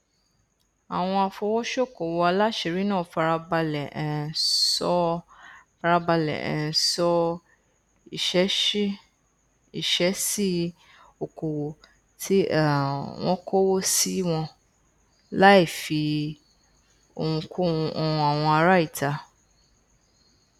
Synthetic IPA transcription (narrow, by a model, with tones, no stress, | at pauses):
a˨w̃ɔ̃˧a˧fo˧wɔ˦ʃo˦˨ko˨wɔ˨˧a˧la˦ʃe˧ɾi˦nãː˦˨˧fa˧ɾa˧ba˧lɛ˨ɛ˨sɔ˦ | fa˧ɾa˧ba˧lɛ̰˨ɛ̰̃˨sɔ˦ | i˦˨ʃɛ˦ | i˦˨ʃɛ˨˦si˦ | o˨ko˨wo˨ | ti˦a˦˨w̃ɔ̃˦kʰo˦wo˦si˦w̃ɔ̃˧ | la˦i˦˨fi˧ | o̰˧˨wũ˧ko˦˨ũ˧ʔɔ˧ũ˧a˨w̃ɔ̃˧a˧ɾa˦i˦˨tʰa˧